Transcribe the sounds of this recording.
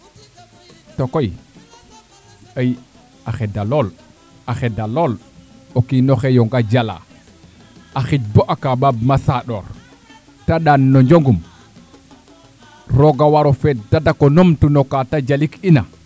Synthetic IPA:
tɔkoj | aj | axɛdalɔl | axɛdalɔl | okinɔxɛjɔŋɡad͡ʒala̰ | ʔaxit͡ʃ̚bɔʔakababmasaɗɔɾ | taɗanːɔɲd͡ʒoŋɡum | ɾɔɡawaɾɔfɛdadakɔnomtunɔkatad͡ʒalikina

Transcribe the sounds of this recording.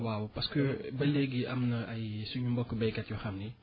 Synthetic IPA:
wawpɐskəbɐlɛɡiʔɐmnɐɐjsuɲumbɔkːəbɐjkɐtjuxɐmni

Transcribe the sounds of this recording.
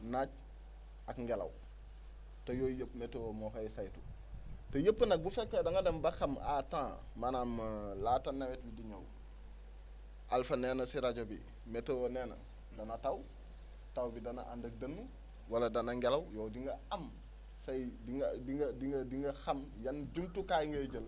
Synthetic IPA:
naːɟ̚ | ɐkŋɡelɐ̰w | tojoːjəpːmetowomoːxɐjsajtu | tejəpːənɐk̚bufɛkːodɐŋɡɐdɐmbɐxɐmʔa̰tãː | manamlatɐnːɐwet̚bidiɲow | ʔalfɐnɛːnɐsiɾaɟobḭ | mɛtowonɛnɐ̰ | dɐnɐtaw | tawbidɐna̰ʔa̰ndək̚dɐnːu | wɐlɐdɐnɐŋɡelɐwjɔːdiŋɡɐɐm | sɐjdiŋdiŋɡɐdiŋɡɐdiŋɡɐxɐmjɐnd͡ʒumtukajŋɡɐɟəl

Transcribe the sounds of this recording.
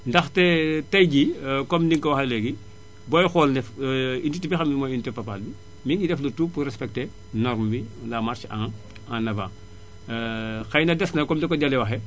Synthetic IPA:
ndɐxtɛtɐjɟikɔmniŋkɔwaxɐlɛɡi | bɔjxɔlnɛfinditːibixɐmimɔjintɛpɐpalbi | miŋɡidɛflɐtuːpuɾɛspɛk̚tɛ | nɔɾmbilamaɾt͡ʃãŋ | anɐvaː | xɐjnɐdɛsnɐkɔmdɛkːɔɟɐlɛwɐxɛ

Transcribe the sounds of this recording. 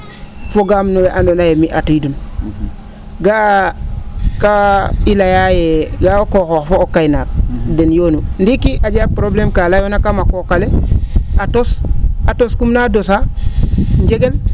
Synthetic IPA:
foɡamnoweʔandonajemiʔatuidun | ɡa | kailajajeɡaokoxofoːkajnak̚denjoːnundikiʔaɟapɾoblemkalajonakamakokaleatosatoskumnadosa | ɲd͡ʒeɡel

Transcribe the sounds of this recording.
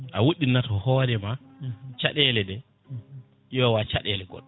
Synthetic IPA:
ʔawoɗinːatɔhɔːdɛmat͡ʃaɗɛlɛdɛ | ɔwat͡ʃa̰ɗɛlɛɡɔ̰ɗːɔ

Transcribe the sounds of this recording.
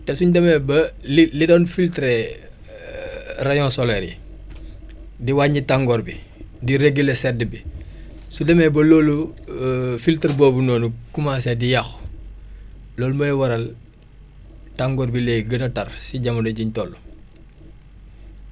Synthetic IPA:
tɛsuɲdɐmɛbɐlilidɔːnfiltɾɛ | rɐjɔ̃nsɔlɛɾḭ | diwaːɲitaŋɡɔɾbi | diɾeɡilɛsɛdːəbi | sudɐmɛːbɐlɔːlu | filtɾbɔːbunɔːnukumasɛdijɐx | lɔːlumɐjwɐɾɐl | taŋɡɔɾbileːɡɐnɐtɐrsiɟɐmɐndɐɟiɲtɔlːu

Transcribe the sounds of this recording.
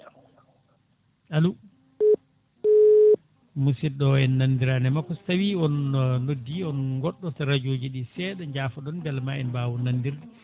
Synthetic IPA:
alu | musiɗɔɛnːandiɾanɛmakːɔstawiɔnnodːiɔnŋɡɔɗːɔtaɾad͡ʒoːd͡ʒiɗisɛɗɔɲd͡ʒaːfɔɗɔnbɛlmaɛnbawɔnandiɾdi

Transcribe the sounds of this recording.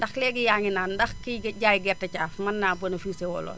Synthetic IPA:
ndɐxlɛːɡijaːŋinaːndɐxkiɡɟaːjɡɛrtɐcaːfmɐnːaːbɔnɐfisɛwɔ̰lɔ̰ː

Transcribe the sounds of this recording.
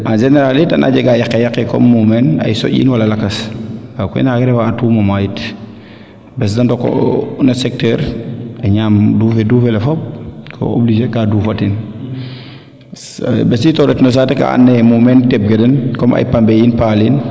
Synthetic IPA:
ʔand͡ʒɛneɾalidɐ̰nʔa̰ɟɐɡajakːɛjakːɛkɔ̰mːumɛna̰jsɔ̰ʔḭnwɐlɐlɐkɐsakṵnaɡɛɾɛfaːtumomajit | bɛs̬dɐndɔkːɔ̰nɐsɛk̚tɛːɾɛɲaːmduːfeduːfɛlɛfɔp̚kʰo̰o̰blid͡ʒekaduːfatin | bɛsitɔɾɛtnos̬atɛka̰a̰nːɛmumɛntɛp̚ɡedɐnkɔmʔa̰jpambejinpalin

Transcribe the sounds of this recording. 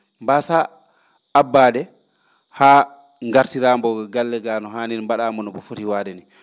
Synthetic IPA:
mbasa | abːaːɗɛ | haː | ŋɡaɾtiɾambɔɡɡalːɛɡanɔɦaninmbaɗaːmɔnɔbɔfoɾiwaːdɛni

